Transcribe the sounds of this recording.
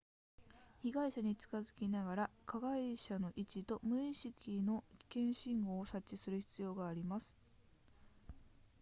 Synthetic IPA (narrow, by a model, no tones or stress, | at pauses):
çiɡaiɕaɲ̟it͡sɨ̥kazɨkʲinaɡaɾakʰaɡaiɕano̞ʔit͡ɕit̪o̞mɯ̟iɕikʲino̞kʲi̥kẽ̞ɰ̃ɕĩŋɡo̞ːsat͡ɕːisɨɾɯ̟çi̥t͡sɨjo̞ːɡaːɾʲimasɨ̥